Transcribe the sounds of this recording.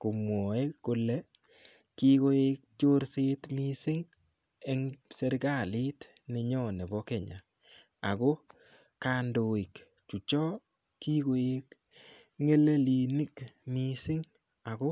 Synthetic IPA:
ko˨mwo˨e˦kːʊ˨lɛ˦ | ki˦ɡo˦e˦k̚t͡ʃo˦ɾse˦tmi˦sɪ˦ŋ | ɛ˦ŋse˦ɾɡa˦˨lɪ˦t | nɪ˨ɲɔ˦ne˨bɔ˦kɛ˨ɲa̰˨ | a˨ɡo˦ | ka˨ndo˨i˨k | t͡ʃu˨t͡ʃɔ˦ | kːi˦ɡo˨e˦k | ŋe˦le˦li˨nɪ˦kmi˦sɪ˦ŋ | a˨ɡɔ˦

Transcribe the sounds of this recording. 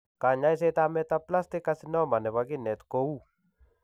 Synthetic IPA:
ka˨ɲa˦js̬ɛ˦t̪a˦mɛt̪apla˦st̪ɪ˦kːasɪnɔ˦ma˨nɛ˨βa˦ɡɪ˦nɛ˨t̪ko˦u˦

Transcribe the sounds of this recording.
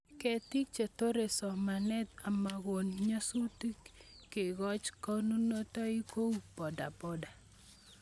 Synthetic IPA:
kɛ˦ti˦k̚t͡ʃe˨to˦ɾe˨sɔ˨ma˨nɛ˦t̪a˨ma˨ɣo˨nɲo˦su˦ti˦kkːe˨ɡɔ˦t͡ʃkɔ˦nu˦no˦tɔ˦i˦ko˦pɔ˨da̰˨pɔ˨da˨

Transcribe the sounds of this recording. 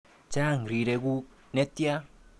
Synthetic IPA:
t͡ʃa˦˨ŋɾi˨ɾe˧ku˦ | ne˦t̪ja˦

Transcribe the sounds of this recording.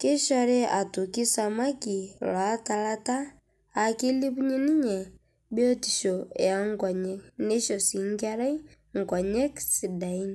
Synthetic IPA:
ke˦ʃa˨ɾɛ˦a˨tu˨ki˦sa˨ma˦ki˨lwa˨˦ta˨la˦taː˦˨ | ki˦li˦βu˦ɲi˦ni˦ɲɛ˨ | bjɔ˦ti˨ʃɔ̰˨a˦ŋɡwa˨ɲɛ˦ne˦ʃɔ˨si˨ŋɡa˦ɾa˦i˦ | ŋ˨ɡa˨ɲɛ˦ksi˨da˨i˦n

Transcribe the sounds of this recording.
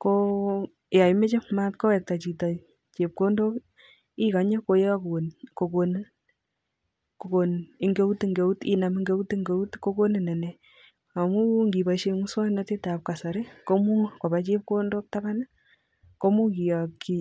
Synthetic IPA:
ko˦ | ja˨i˦me˦t͡ʃe˦ma˦tko˦wɛ˨k̚ta˨t͡ʃi˨ta˨ | t͡ʃe˨p̚ko˦ndo˦k | i˦ka˨ɲe˦ko˨je˦a˦knko˨ko˨n˦ | ko˨ko˨ni˨ŋɡe˦u˦ti˦ŋɡe˨u˦ti˦na˨mi˦ŋɡe˦u˦ti˦ŋɡe˦u˦tko˦ko˦ni˨nɛ˨nɛ˨ | a˨mu˦ŋɡi˨ba˨ʃe˦mu˦swa˦na˦te˦ta˨p̚ka˨sa˨ɾe˦ko˦mu˦ko˨ba˨˦t͡ʃe˦p̚ko˦ndo˦k̚ta˦ba˦na˦ | ko˦mu˦ki˨ja˨ki˨

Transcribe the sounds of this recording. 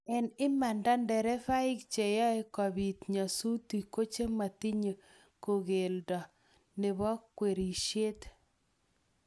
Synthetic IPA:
ɛ˨nɪ˦ma˨nda˦ndɛ˨ɾɛ˦fa˦ɪ˦kt͡ʃe˨ja˦e˦kɔ˨bi˨t̪ɲa˨su˦ti˨ko˦t͡ʃe˦ma˨ti˦ɲe˨ | ko˨ɣe˨ldɔ˨ | nɪ˨βɔ˦kːwe˨ɾi˨ʃje˦t̪

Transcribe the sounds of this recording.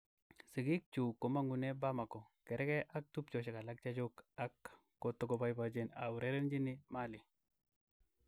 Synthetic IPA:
si˨ɡi˦k̚t͡ʃu˨ko˨ma˦ŋɡu˨ne˦ba˦ma˨kɔ˨kɛ˨ɾɛ˦kɛ˦ʔa˦k̚tu˦pt͡ʃo˨ʃe˨ka˨la˦k̚t͡ʃa˦d͡ʒu˦ka˦kː | o˨to˦ɡo˨ba˦jba˨d͡ʒe˦na˨wu˨ɾe˦ɾe˦nd͡ʒi˦ni˦ma˦li˨

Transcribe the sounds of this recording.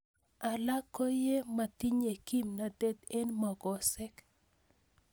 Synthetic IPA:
a˨la˦kːo˦je˦ma˨t̪i˦ɲe˨ki˦mna˨d̪ɛ˦t̪e˦nmɔ˨ɡɔ˨sɛ˦k

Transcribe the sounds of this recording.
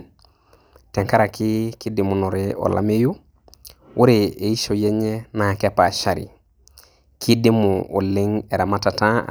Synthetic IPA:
tɛ˨ŋka˦ɾa˨ki˦ki˦di˨mu˨no˨ɾeɔ̰˨lʔa̰˦me˦ju˦ | wu˦ɾe˨e˨i˦ʃo˨jɛ˦ɲe˦na˨kɛ˦pa˨ʃa˨ɾḭ˨ | kʰi˦di˦mu˨o̰˨li˦ŋe˨ɾa˨ma˦ta˨tã̰˦˨

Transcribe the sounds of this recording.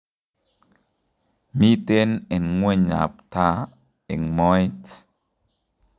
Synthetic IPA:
mi˦te˦nɛ˨nŋwe˦ɲa̰˨pta˦ | ɛ̰˨ŋmɔ˦jt

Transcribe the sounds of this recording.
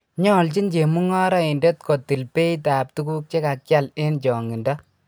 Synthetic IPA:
ɲɔ˦˨lt͡ʃi˦nt͡ʃe˨mu˦ŋɔ˦ɾa˦i˨nde˦tko˨ti˨lpe˦jtaː˨p̚tu˦ku˦k̚t͡ʃe˦ka˨kja˦le˦nt͡ʃɔ˨ŋi˨ndɔ˦

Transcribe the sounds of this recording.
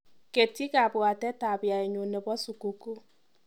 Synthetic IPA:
ke˨ti˦ka˨bwa˨tɛ˦ta˨bja˨i˨ɲo˨ne˨bɔ˦su˨ku˦ku˦

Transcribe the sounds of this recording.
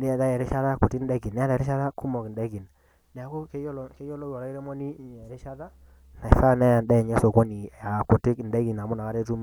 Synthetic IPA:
ni˦ɛ˨ða˦ɛ˨ɾɛ˦ʃa˦ða˦ko˨ti˦n˦dɛ˦ɡi˨nːɛ˦a˦dɾɪ˦ʃa˦ða˦ku˦mo˨knde˦ɡi˨n | nɛ˨a˨ko˦ke˦jo˦lɔ˨˦ke˦jo˦lo˦ɔ˨la˦i˦ɾe˦mɔ˦ni˦˨˦ɲɛ˨ɾi˦ʃa˦ða˦ | na˨˦sa˦˨nɛ˦ja˨ndɛ˦˨ɲɛ˦so˨ko˦ni˨a˨ko˨tɪ˦kndɛ˦ki˨na˨mu˦na˨ka˦ɾe˦tu˦m˦

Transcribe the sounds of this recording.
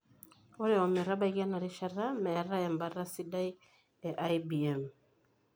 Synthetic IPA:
o˦ɾɛ˦˨ɔ˨mɛ˨ɾa˦ba˦i˦ɣa˦na˨ɾi˦ʃa˨ra˦mɛ˨ɾa˦ɛ˨mba˨ɾa˦si˦da˦j | ɛ˨ʔa˦jbi˨ɛ˨m

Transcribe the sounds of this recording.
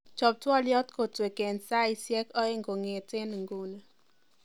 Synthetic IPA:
t͡ʃɔ˨p̚twɔ˦ljɔ˦tko˨twe˨ke˨nsa˦i˦sjɛ˦kɔ˦e˦ŋɡo˨ŋe˨tɪ˦nŋɡu˨n˨

